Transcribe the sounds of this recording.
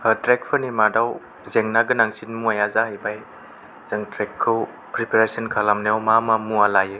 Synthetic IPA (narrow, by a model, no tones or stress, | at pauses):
atɾek̚pʰɯnimadaw | zeŋnaɡɯnaŋsinmuajazahajbaj | z̥aŋtɾekʰːɯw | pɾipaɾesənkʰalamnejawmamamualaje